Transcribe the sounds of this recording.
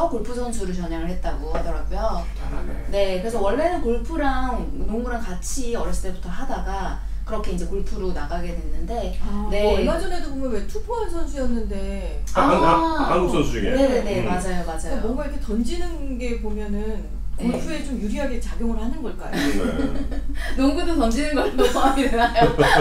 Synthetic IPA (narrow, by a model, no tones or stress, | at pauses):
ʌkoɭpʰusʰʌns̬ʰuɾɯɭt͡ɕʌɲaŋɯɭhe̞t̚t͈aɡoadʌɾaɡujo | a̰ne̞kɯɾe̞sʰʌwʌɭːe̞nɯnkoɭpʰuɾaŋ | noŋɡuɾaŋkat͡ɕʰiʌɾjʌɭs͈i̥t͈e̞butʰʌɦadaɡakɯɾʌkʰe̞ind͡ʑe̞kuɭpʰuɾonaɡaɡe̞dwe̞nːɯnde̞ne̞ɭmad͡ʑʌne̞dobomjʌnwe̞tʰupʰuansʰʌnsʰuijʌnːɯnde̞ | aasʰʌsʰuiɡene̞nene̞mad͡ʑajomad͡ʑajobʌŋɡaiɾkʰetʌnd͡ʑinɯn | ɡe̞pomjʌnɯn | kuɭpʰue̞t͡ɕomjuɾiɦaɡe̞t͡ɕaɡjoŋɯɭhanɯnɡʌɭk͈a̰jo | noŋɡudotʌnd͡ʑinɯnɡʌtosʌaŋidenajo